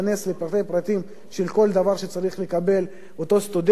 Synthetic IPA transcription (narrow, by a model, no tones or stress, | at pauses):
ane̞slepɾat̪ejpɾat̪im | ʃelko̞ld̪avaʁʃet͡saɾiχle̞kabe̞l | ot̪o̞st̪ud̪e